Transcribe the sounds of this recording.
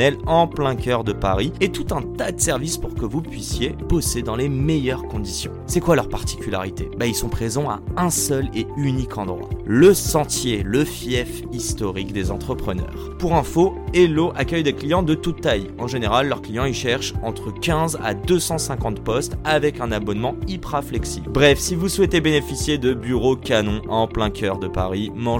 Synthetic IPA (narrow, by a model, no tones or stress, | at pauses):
ɛlɑ̃plɛ̃kʲœʁd̪əpaʁiet̪ut̪ɛ̃t̪ad̪əsɛʁvispuʁkəvupɥisjebɔsed̪ɑ̃lemejœʁkɔ̃d̪isjɔ̰̃sɛkwalœʁpaʁt̪i̥kʲyla̰ʁit̪ebailsɔ̃pχezɑ̃a̰ɛ̃sœleynikʰɑ̃d̪ʁwa̰ləsɑ̃t̪jeləfjɛf | ist̪ɔʁikd̪ezɑ̃t̪χəpχənœ̰ːʁpuʁɛ̃foeloʔakʲœjd̪eklijɑ̃d̪ət̪ut̪ːaj | ɑ̃ʒeneʁalːœʁklijɑ̃iʃɛʁʃɑ̃t̪χəkʲɛ̃za̰d̪øsɑ̃sɛ̃kɑ̃t̪pɔst̪avɛkɛ̃nabɔnmɑ̃ipχaflɛksibʁɛfsivuswɛt̪ebenefisjed̪əbyʁokanɔ̃ʔɑ̃plɛ̃kʰʲœʁd̪əpa̰ʁimɑ̃